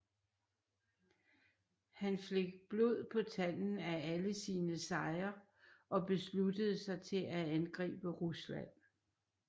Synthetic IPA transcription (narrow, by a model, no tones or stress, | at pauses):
hænfleɡ̥̚b̥lo̝ð̰ˠpʰɒ̽t͡sʰæl̰n̩ææləsiːnəsɑ̈ɪɐ | ʔɒ̽b̥e̝slud̥əð̞̩ˠsɑ̈ɪt͡sʰe̝læænɡ̥ʁḭːb̥əʁuslæ̰n̰